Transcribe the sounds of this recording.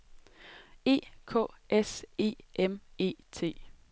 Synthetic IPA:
e̝̰ːkʰɔ̰̽ːese̝̰ːʔeme̝̰ːt͡sʰe̝̰ː

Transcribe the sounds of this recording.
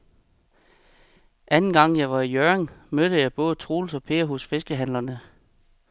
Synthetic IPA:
ʔænn̩ɡ̥ɑ̈ŋ̰jɑ̈ɪʋɑ̈ijøɐeŋmød̥əjɑ̈ɪb̥ɔ̽ːð̞̩ˠət͡sʰʁoːlsɒ̽pʰe̝̰ːɐɦɔsfe̝sɡ̥əɦæn̰lɐnə

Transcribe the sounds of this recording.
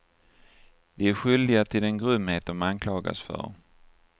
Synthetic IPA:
d̪ɛæɾɧʏld̪ɪɡat̪ʰɪlɛnɡɾʏmːheːt̪̚d̪ɔmankʰlɑːɡa̰sfœ̰ɾ

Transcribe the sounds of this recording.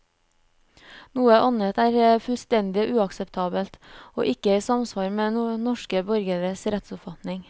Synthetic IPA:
nuːəʔɑnət̪æːɾfʉlst̪ɛnd̪ɪʔʉːɑksəpt̪ʰɑːbəlt̪o̰ːʔɪkəæsɑmsʋɑːɾmeːnɔʃkəbœɾɡəɾəsɾɛt̪sʊpfɑt̪nɪŋ

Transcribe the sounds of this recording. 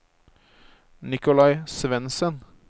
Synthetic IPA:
nɪkʊlɑɪsʋɛnsən

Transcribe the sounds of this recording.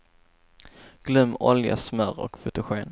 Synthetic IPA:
ɡ̥lɵmːɔlja̰smœɾɔ̰kfɵt̪əɧeːn

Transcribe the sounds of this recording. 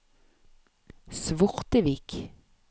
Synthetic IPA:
sʋɔʁt̪əʋik

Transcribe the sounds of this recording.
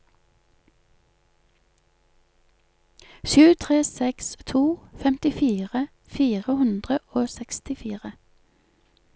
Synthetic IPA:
ʃʉːt̪ʰʁeːsɛkst̪ʰuːfɛmt̪ɪfiːʁə | fiːʁəhʉnd̪ʁəoːsɛkst̪ɪfiːʁə

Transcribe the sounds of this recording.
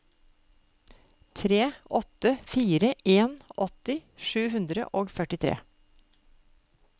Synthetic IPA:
t̪ʰɾeːʔɔt̪əfiːɾəeːnɔt̪ɪʃʉːhʉnd̪ɾə̰ʔoːɡfœʈɪt̪ʰɾḛː

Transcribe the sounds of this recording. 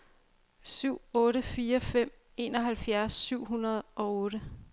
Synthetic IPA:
syʊ̰ɔ̽ːɾəfiːɐfem̰ | e̝ːnɒ̽ɦælfjæɐsːyʊ̰ɦunɐð̞̩ˠɒ̽ɔ̽ːɾə

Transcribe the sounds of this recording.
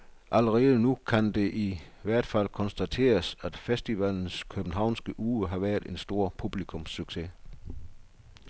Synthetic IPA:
ʔæləʁɛːðˠənukʰænd̥e̝ʔi | ʋæɐ̰d̥fæl̰kʰɒ̽nsd̥æt͡sʰe̝̰ːɐsæd̥fesd̥iʋæln̩skʰøb̥n̩ɦɑ̈ʊ̰nsɡ̥əʔuːəɦɑ̈ʋæɐðˠe̝nsd̥o̝ɐ̰pʰub̥likʰɔ̽msyɡ̥se̝

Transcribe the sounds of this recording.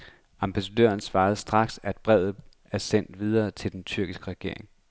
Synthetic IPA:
ɑ̈mb̥ʰæsæd̥ø̰ːɐnsʋɑ̈ːð̩ˠsd̥ʁɑ̈ɡ̥sæd̥̚b̥ʁɛð̰ˠð̩ˠ | æɐsen̰d̥ʋið̞ˠɐːt͡sʰe̝ld̥ent͡sʰyɐ̰ɡ̥isɡ̥əʁɛɡ̥e̝ɐ̰e̝ŋ

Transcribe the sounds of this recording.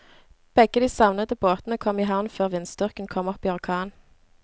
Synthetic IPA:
b̥ɛɡəd̪iːsɑʋnəd̪əboːt̪n̩əkʰɔmiːɦɑʋnføːʁʋɪnsd̪ʏʁkən̩kʰɔmɔpːiːɔʁkʰɑːn

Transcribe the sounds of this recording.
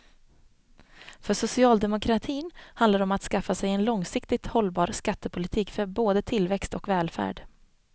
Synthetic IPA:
fœʂʊsɪɑːld̪ɛmʊkʰɾat̪ʰiːnhand̪laɖɔmat̪skafːasɛjɛnlɔŋsɪkt̪ɪt̪hɔlbɑːɾskat̪ːəpʰʊlɪt̪ʰiːkfœɾboːd̪ət̪ʰɪlvɛkst̪ɔkvɛːlfæ̰ːɖ

